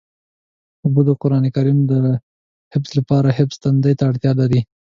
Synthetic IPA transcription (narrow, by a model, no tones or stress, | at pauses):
ʊbud̪əqʊɾɑnekaɾimd̪ə | hɪfslapɑɾaɦɪfst̪and̪əjt̪aːɽt̪jɑlaɾi